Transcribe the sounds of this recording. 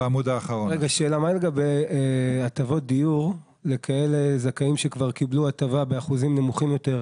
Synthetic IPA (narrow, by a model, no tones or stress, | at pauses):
mudaːχaʁoʁeɡaʃe̞ːlamaleɡabejeat̪avo̞t̚d̪ijuʁ | le̞kʰae̞lezakaimʃekvaʁkibluatavabe̞aχuzimne̞muχimjo̞te̞ʁ